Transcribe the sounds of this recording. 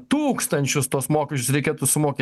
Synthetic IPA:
t̪uːkst̪ɐnʲt͡ʃʲʊst̪oɔsmoːkʲɛʃʲt͡ʃʲʊsɾʲɛɪkʲeːt̪ʊsʊmoːkʲeː

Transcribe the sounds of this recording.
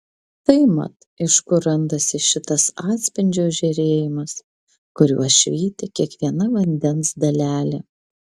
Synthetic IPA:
t̪ɐɪmɐ̰t̪ | ɪʃkʊɾɐnd̪ɐsʲɪʃʲɪt̪ɐsɑːt̪ʲsʲpʲɪnʲd͡ʒʲoːʒʲɛɾʲeːjɪmɐs | kʊɾʲṵɔʃʲʋʲiːt̪ʲɪkʲiɛkʋʲiɛnɐʋɐnʲd̪ʲɛnsd̪ɐlʲæːlʲe

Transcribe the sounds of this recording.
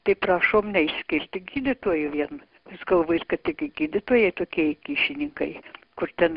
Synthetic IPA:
t̪ɐɪpɾɑːʃoːmnʲɛɪʃʲsʲkʲɪlʲt̪ʲɪɡʲiːd̪ʲɪt̪uɔjʊʋʲiɛn | ɪsɡɐlˠʋoːt̪ʲkɐt̪t̪ʲɪkʲɪɡʲiːd̪ʲɪt̪uːjɛɪt̪oːkʲiɛjkʲiːʃʲɪnʲɪŋkɐɪkʊrt̪ʲɛn

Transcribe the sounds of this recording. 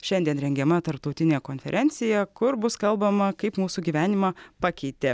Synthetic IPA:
ʃʲɛnʲd̪ʲiɛnɾʲɛŋʲɡʲɛmɐt̪ɐɾp̚t̪ɒʊt̪ʲɪnʲeːkoːnʲfʲɛɾʲʔɛnʲt̪sʲɪjɛkʊɾbʊskɐlˠbɐmɐkɐɪpmuːsuːɡʲiːʋʲæːnʲɪmɑːpɑkʲɛɪt̪ʲeː

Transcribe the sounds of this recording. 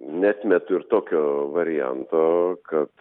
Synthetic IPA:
nʲæːt̪ʲmʲɛt̪ʊɪɾt̪oːkʲoːʋɐɾʲɪjɛ̰nt̪oːkɐt̪

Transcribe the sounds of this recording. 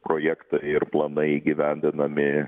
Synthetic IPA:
pɾoːjɛkt̪ɐɪɪɾplˠɐnɐɪiːɡʲɪʋʲɛnʲd̪ʲɪnɐmʲɪ

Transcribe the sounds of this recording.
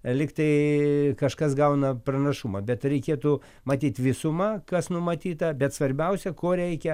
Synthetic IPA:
lʲɪkt̪ɐɪkɐʃkɐsɡɐʊnɐprɐnɐʃumɐbʲɛt̪rʲɛɪkʲeːt̪ʊ | mɐt̪ʲiːt̪ʋʲɪsʊmɐkɐsnʊmɐt̪ʲiːt̪ɐbʲɛt̪sʋɐrʲbʲɛʊsʲɛkoːɾʲɛɪkʲɛ

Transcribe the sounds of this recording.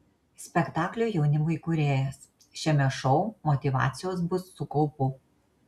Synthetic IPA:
sʲpʲɛkt̪ɑːklʲuːˑjɛʊnʲɪmɐɪkʊɾʲeːjɛs | ʃʲɛmʲɛʃɔʊmɔt̪ʲɪʋɑ̰ːt̪sʲɪjoːsbʊsːʊkɔʊpʊ

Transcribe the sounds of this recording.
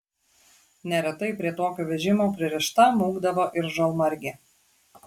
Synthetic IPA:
nʲɛɾʲɛt̪ɐɪpʲɾʲiɛt̪oːkʲoːʋʲɛʒʲɪmoːpʲɾʲɪɾʲɪʃt̪ɐmuːɡd̪ɐʋoːʔɪɾʒɐlˠmɐɾʲɡʲɛ

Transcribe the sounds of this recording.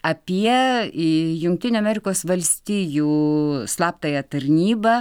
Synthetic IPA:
ɐpʲiɛ | jʊŋk̚t̪ʲɪnʲuːɐmʲɛɾʲɪkoːsʋɐlʲsʲt̪ʲiːjuːslˠɑːpt̪ɐjɛt̪ɐɾʲnʲiːbɐ

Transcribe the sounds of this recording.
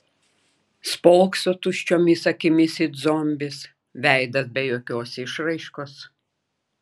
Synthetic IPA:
spɔlˠksoːt̪ʊʃʲt͡ʃʲoːmʲɪsɐkʲɪmʲɪsɪd̪zɔmʲbʲɪs | ʋʲæˑɪd̪ɐsbʲɛjoːkʲoːsɪʃɾɐɪʃkoːs

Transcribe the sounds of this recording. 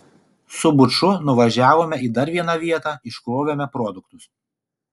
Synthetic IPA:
sʊbʊt͡ʃʊnʊʋɐʒʲæːʋoːmʲɛiːd̪ɐɾʋʲiɛnɑʋʲiɛt̪ɑːɪʃkɾoɔʋʲoːmʲɛpɾɔd̪ʊkt̪ʊs

